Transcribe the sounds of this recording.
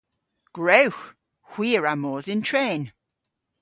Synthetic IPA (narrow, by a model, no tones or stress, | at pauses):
ɡ̥ɹowx | hw̥iːəɹamɔːzɪntʰɹeːn